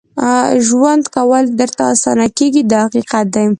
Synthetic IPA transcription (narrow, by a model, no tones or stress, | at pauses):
ʒwand̪kawəld̪əɾt̪aːsɑ̰nakeɡid̪əhaqiqat̪̚d̪aj